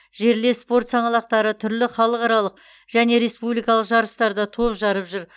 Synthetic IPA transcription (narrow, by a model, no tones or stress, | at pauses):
ʒe̞ɾle̞spo̞ɾt̪sɑɴɑlˠɑq̚t̪ɑɾət̪ʰʏɾlɪχɑlˠəqɑɾɑlˠəq | ʒ̥æne̞ɾe̞spublˠijkɑlˠəqʒɑɾəst̪ɑɾd̪ɑt̪ʰo̞pʒɑɾəpʒʏɾ